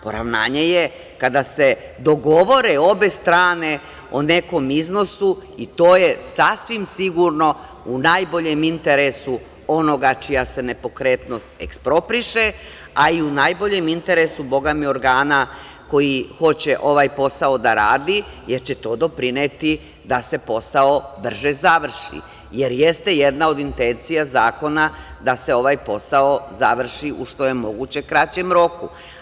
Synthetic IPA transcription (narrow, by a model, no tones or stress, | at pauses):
po̞̰ɾa̰ʋna̰ːɲeje | kad̪ase̞d̪o̞ɡo̞ʋo̞ɾeo̞be̞st̪ɾaːne̞ | one̞ko̞mizno̞suit̪oːje̞sasʋimsiɡuɾno̞ | unajbo̞ʎemint̪e̞ɾesu | o̞no̞ɡat͡ʃijase̞ne̞po̞kɾe̞t̪no̞st̪ḛkspɾo̞pɾiʃe | aiunaːjbo̞ʎe̞mint̪e̞ɾesubo̞ɡamio̞ɾɡaːna | ko̞jixo̞t͡ɕe̞ʔo̞ʋajpo̞sao̞d̪aɾaːd̪ije̞ɾt͡ɕe̞t̪o̞ːd̪o̞pɾinet̪i | d̪ase̞po̞sao̞br̩ʒezaʋr̩ʃḭ | je̞ɾje̞st̪e̞je̞d̪nao̞d̪int̪e̞nt̪sijazaːko̞nad̪ase̞o̞ʋajpo̞sao̞zaʋr̩ʃiʔuʃt̪o̞je̞mo̞ɡut͡ɕe̞kɾat͡ɕe̞mɾo̞kṵ